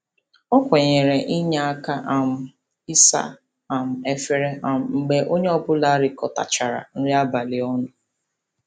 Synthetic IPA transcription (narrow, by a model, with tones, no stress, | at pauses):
ɔ˦kʷe˨ɲe˨ɾe˨ʔi˦ɲa˦a˦ka˦ʔa˨m̩˨ | i˦sa̰˦ | a˨m̩˨e˦fe˦ɾe˦a˨m̩˨ŋ͡m̩˨ɡ͡be˦ʔo˦ɲe˦ɔ˦˨bʊ˦la˦ɾɪ˨kɔ˨ta̰˨t͡ʃa˨ɾa̰˨n̩˦ɾɪ˦a˦ba˨lɪ˨ɔ˦nʊ˨